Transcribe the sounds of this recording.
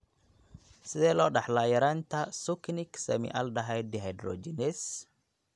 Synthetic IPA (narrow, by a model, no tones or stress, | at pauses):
sdɛlɔɗaħlajɐɾant̪asukniksɐmḭʔaldaɦajd̪iɦajd̪ɾo̰d͡ʒines